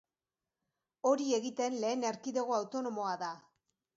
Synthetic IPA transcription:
o̞ɾieɣit̪e̞nle̞ːneɾkiðe̞ɣ̞o̞awt̪o̞no̞mo̞aða

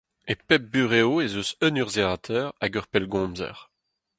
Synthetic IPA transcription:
epɛp̚byʁeoezøsœnyʁzeaːt̪ʰɛʁaɡœʁpɛlɡɔ̃ːmzɛ̰ʁ

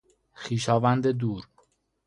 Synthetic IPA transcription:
xiːʃɒːvænd̪ed̪uːɾ

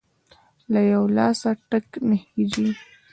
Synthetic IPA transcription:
lajawlɑsaʈəknəhid͡ʒi

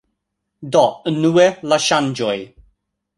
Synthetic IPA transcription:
d̪ɔənuelaʃand͡ʒɔj

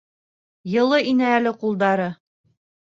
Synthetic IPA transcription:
jɤ̆lˠɤinɘælɘqulˠd̪ɑɾɤ

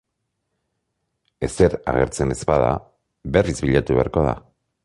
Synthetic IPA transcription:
e̞seɾa̰ɣe̞ɾt͡se̞ne̞spað̞a̰ | be̞rizβiʎat̪uβe̞aɾko̞ð̞a̰

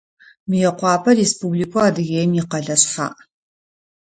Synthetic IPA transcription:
mɨjɛqʷɑːpʰɐrespublikʷʰɔaːdɨɣeːjmjɪqɐɮɐsħa̰ːʔ

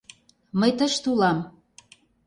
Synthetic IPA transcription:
məjt̪əʃt̪ulɑm

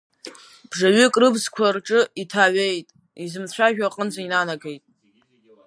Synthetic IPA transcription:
b̥ʐaɥʏkʼrɨbzkʷʰarʈ͡ʂʼɨitʰaɥe̞jtʼ | izɨmt͡ɕʷʰaʒᶣaqʼənzʷʰainanaɡejtʼ

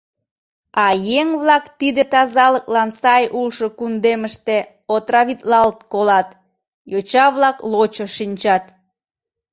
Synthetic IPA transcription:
ɑjeŋβlɑkt̪id̪ət̪ɑzɑləklɑnsɑjʔulʃokund̪eməʃt̪e | ot̪rɑβit̪lɑlt̪̚kolɑt̪ | jot͡ɕɑβlɑklot͡ɕəʃinʲt͡ɕɑt̪

